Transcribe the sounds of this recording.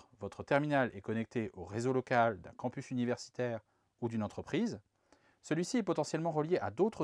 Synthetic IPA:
vɔt̪χət̪ɛʁminalɛkɔnɛk̚t̪eʔoʁezolɔkald̪ɛ̰̃kɑ̃pysynivɛʁsi̥t̪ɛːʁ | ud̪ynɑ̃t̪χəpχiz | səlɥisiɛpɔt̪ɑ̃sjɛlmɑ̃ʁəljeʔad̪ot̪χə

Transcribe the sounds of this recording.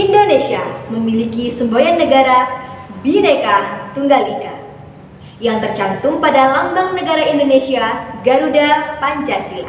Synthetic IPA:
ʔindonesiaməmilikisəmbojanːəɡaɾabiɾakat̪uŋɡalinda | jaŋt̪ərt͡ʃant̪uŋpadalambaŋnəɡaɾaindonesiaɡaɾudapaɲt͡ʃasia̰

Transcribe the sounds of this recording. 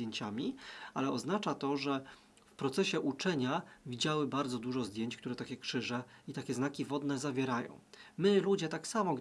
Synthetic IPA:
eɲt͡ɕamʲialɛɔznat͡ʂat̪ɔʐɛ | fpɾɔt̪sɛɕɛʔut͡ʂɛɲavʲid͡ʑawɘbaɾd̪zɔd̪uʐɔzd̪ʲjeɲt͡ɕkt̪uɾɛt̪akʲɛkʂɘʐɛit̪akʲɛznakʲivɔd̪nɛzavʲjɛɾajɔ̰̃w̃mɘlud͡ʑɛt̪aksamɔɡ

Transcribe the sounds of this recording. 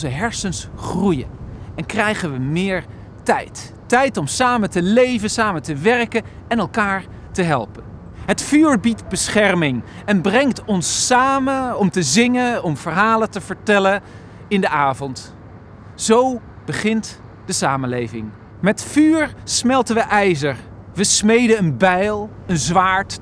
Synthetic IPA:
zəɦɛɹsənsχrujə̰ɛnkrɛjχənʋəmɪːɹ | tɛ̰jtː | ɛjtɔmsaːmətəlejvənsaːməntəʋɛrkən | ɛnɛlˠkaːɹ | təɦɛlˠpən | ɦətfyːɹbitbəsχɛrmɪŋɛnbrɛŋtɔnsːaːməɔmtəzɪŋəɔmv̥əɹɦaːlətəv̥əɹtɛlən | ɪndəaːvɔnt | z̥ow | b̥əχɪnt | d̥əsaːmənlejvɪ̰ŋ | mɛtfyːɹsmɛlˠtənʋəʔɛjzəɹ | ʋəsmejdəənbɛjlˠ | ənzʋaːɹt

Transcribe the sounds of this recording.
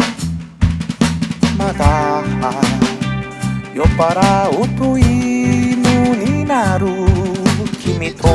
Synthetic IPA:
mat̪aka | jopaɾaut̪uimiuninaɾu | t͡ʃimit̪o

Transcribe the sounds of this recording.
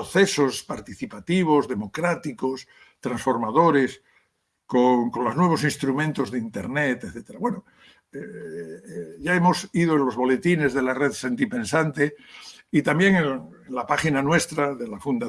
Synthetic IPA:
oθe̞so̞spaɾt̪iθipat̪iβ̞o̞zðe̞mo̞kɾat̪iko̞s | t̪ɾansfo̞ɾmaðo̞ɾe̞s | koŋkõ̞nloznwe̞β̞o̞s̬ĩnst̪ɾumẽnt̪o̞zðeint̪e̞̰ɾne̞t̪eθet̪eɾaβwe̞no | e | ʝaemo̞sið̞oelo̞zβo̞le̞t̪ine̞zðe̞lareðsent̪ipẽ̞nsant̪e̞it̪ambje̞ŋeenlapaχinanwe̞st̪ɾaðe̞lafund̪a

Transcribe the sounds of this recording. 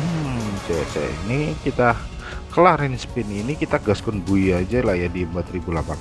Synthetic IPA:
t͡ʃɛsɛ̰ḭnikit̪a | kəlahɾɛnspɪninikit̪aɡaskʊnbuiad͡ʒalajadiəmpat̪ribulapan

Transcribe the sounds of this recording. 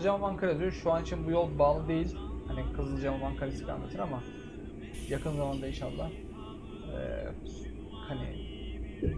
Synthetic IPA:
d͡ʒamamaŋkʰaɾed̪joʃuanit͡ʃʰinbujo̞lˠbaːlˠɯd̪e̞jilʲhanikʰɯzɯd͡ʒamamaŋkʰaɾʲesilʲa̰nːa̰t̪ʰɯnama | jakʰɯnzamand̪ainʃalˠːa̰h | ɛ̰ː | kʰanʲeḛ

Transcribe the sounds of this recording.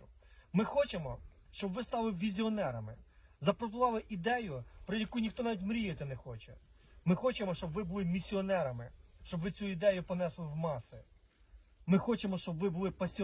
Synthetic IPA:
mɪxɔt͡ʃemɔʃt͡ʃɔbʋɪst̪ɑlˠɪʋʲizʲiɔnɛɾɐmɪzɐpɾɔt̪ʊʋɑlˠɪʔid̪ɛjʊpɾɪjɐkujnʲixt̪ɔnɑʋʲitʲmɾʲijet̪ɛnexɔt͡ʃɛ | mɪxɔt͡ʃemɔʃt͡ʃɔbʋɪbʊlˠɪmʲisʲːiɔnɛɾɐmɪʃt͡ʃɔbʋɪt͡sʲuid̪ɛjʊpɔnɛslˠɪwmɑsɪ | mɪxɔt͡ʃemɔʃt͡ʃɔbʋɪbʊlˠɪpɐsʲi

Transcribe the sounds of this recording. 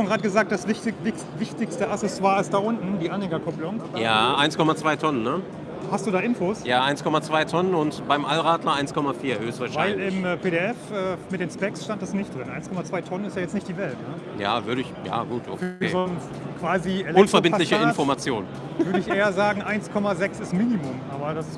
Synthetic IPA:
onɡʁaːtəɡəzaːk̚d̥asvɪtɪvɪ | vɪçtɪçstəʔasɛswaɐalsd̥aːʔʊntn̩diːʔanhɛɡɐkʰʊplʊŋabɐjaːʔaɪnskʰɔmat͡sv̥aɪtʰɔnənːə | hast̚d̥uːdaːʔɪnfoːsjaːʔaɪnskʰɔmat͡sv̥aɪtʰɔnənʊntb̥aɪmʔalʁaːtlɐʔaɪnskʰɔmafiːɐhøːstvaɐʃvaɪlɪmːpʰeːɾeɛfʔɛːmɪtdeːnspɛksʃtantd̥asnɪçtd̥ʁɪnʔa̰ɪnskʰɔmat͡sv̥aɪtʰɔnənɪstjaːjɛt͡snɪçt̚d̥iːvɛltnə | ja̰ːvʏɐɾəɪçja̰ːɡuːtʰʔo̰kḛzɔns | kv̥aːziʔɛlʊnfɛɐbɪntlɪçəɪnfɔɐmat͡sjoːn | vʏɐɾəɪçʔeːɐzaːɡŋ̩ʔaɪnskʰɔmazɛksɪstmiːnimʊmʔaːbɐdas

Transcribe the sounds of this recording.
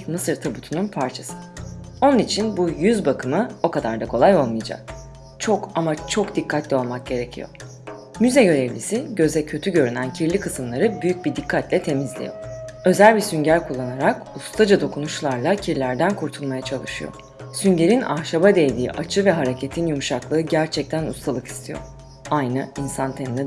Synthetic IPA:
mɯsɯɾt̪ʰabut̪ʰununpʰaɾt͡ʃʰasɯ̥o̞nunit͡ʃʰinbujyzbakʰɯmɯo̞kad̪aɾd̪akʰo̞lˠajo̞lˠmɯjad͡ʒa̰k̚ | t͡ʃʰo̞kamat͡ʃʰokd̪ikʰːat̪lʲɛo̞lˠmak̚ɟ̥e̞ɾe̞cʰḭjo̰ | myzɛɟø̞ɾɛvlʲisiɟø̞zɛcʰø̞t̪ʰyɟø̞ɾynæncʰiɾlʲikʰɯsɯmlˠaɾɯbyjyc̚bid̪ikʰːat̪lʲɛt̪ʰe̞mizlʲḭjo̰ø̞zælʲbisyɲɟæɾkʰulˠːanaɾakust̪ʰad͡ʒad̪o̞kʰunuʃlˠaɾlˠacʰiɾlʲæɾd̪ænkʰuɾt̪ʰulˠmajat͡ʃʰalˠɯʃɯjo̰ | syɲɟe̞ɾina̰hʃabad̪ejd̪iːʔat͡ʃʰɯvɛɦaɾe̞cʰe̞t̪ʰinjumuʃaklˠɯːɯɟæɾt͡ʃʰɛc̚t̪ʰænṵst̪ʰalˠɯki̥st̪ʰijo̰ɾ | ajnɯinsant̪ʰeninʲɛ

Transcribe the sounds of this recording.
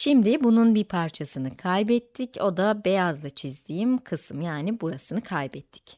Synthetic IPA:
ʃimd̪ɪbununbipʰaɾt͡ʃʰasɯnɯkʰajbɛt̪ʰːico̞d̪abejazlˠat͡ʃʰizd̪ijimkʰɯsɯmjaːnibuɾasɯnɯkʰajbɛt̪ʰːɪ̥c

